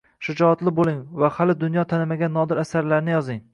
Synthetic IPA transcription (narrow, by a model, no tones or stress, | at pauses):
ʃʊd͡ʒɒat̪lɪbolˠɪŋvahalɪd̪ʊnjɒt̪ʰanɪmaɡʲanːɒd̪ɪɾasaɾlaɾnɪjɒzɪŋ